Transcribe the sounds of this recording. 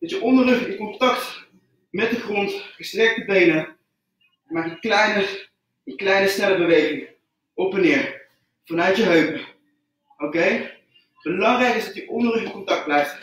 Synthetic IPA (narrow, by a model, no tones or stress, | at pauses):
d̥ɑtjəʔɔndələχdəkɔntɑkt | mɛt̚dəχrɔntχəstrɛk̚təbejnə | maːkənklɛjnə | ənklɛjnəsnɛləbəʋejχɪŋ | ɔpɛnɪːɹ | v̥ɑnœɥtjəɦøpə | owkej | b̥əlɑŋrɛjkɪzdɑtjəʔɔndələχdəkɔntɑk̚d̚blɛjft